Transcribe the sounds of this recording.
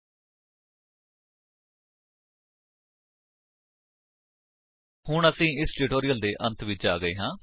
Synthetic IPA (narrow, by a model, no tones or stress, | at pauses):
hʊɳəsĩːɪsʈɪʈoːɾɪjəld̪eːʔənt̪ʰʋɪt͡ʃaːɡəḛːɦãː